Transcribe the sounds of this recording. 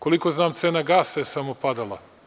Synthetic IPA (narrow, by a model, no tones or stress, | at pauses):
ko̞liko̞znaːmt̪seːnaɡaːsajesamopad̪alˠa̰